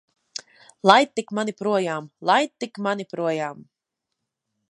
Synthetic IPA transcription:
lˠajt̪̚t̪ːikmanipɾuɔjaːmlˠajt̪̚t̪ːikmanipɾuɔjaːm

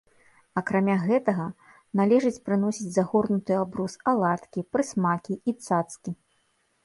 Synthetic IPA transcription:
ɐkɾamʲaɣɛt̪ɐɣɐ | nalʲɛʐɨt͡sʲpɾɨn̪ɔsʲid͡zʲzaɣɔrnut̪ɨjabɾusalˠat̪kʲipɾɨsmakʲiit̪sat̪skʲi

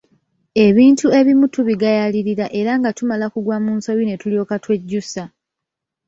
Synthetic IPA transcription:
e̞βiːntʰue̞βimutuβiɡajaliɾiɾaʔe̞ɾaŋɡatumalakuɡwamuːnso̞jine̞tuljo̞ːkatwe̞ɟːusa

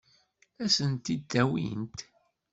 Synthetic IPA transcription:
æsənt̪id̪ːæwḭnt̪

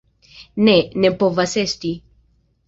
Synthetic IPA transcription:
nenepovasest̪i

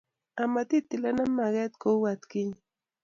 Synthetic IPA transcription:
amat̪it̪ːɪlanamːaɡet̪kowat̪kɪɲ

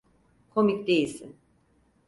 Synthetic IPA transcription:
kʰo̞micd̪e̞jilʲsḭn

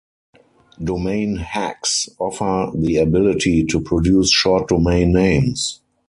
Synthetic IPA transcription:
dɔmẽɪ̃nhæksɔfə˞ðiabɪlɪtʰitʰupʰɹɔdjuːsʃɔt̚d̥ɔmẽɪ̃nːẽɪ̃ms

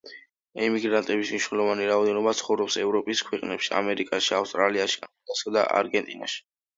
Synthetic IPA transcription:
ɛmiɡɾant̪ʼɛbismniʃwnɛlˠɔvaniɾaɔd̪ɛnɔbat̪sʰχɔvɾɔpsɛvɾɔpʼiskʰwɛqʼnɛpʃia̰mɛɾikʼaʃiafst̪ʼɾaliaʃia̰lasad̪a̰ʔa̰ɾɡɛnt̪ʼina̰ʃi̥

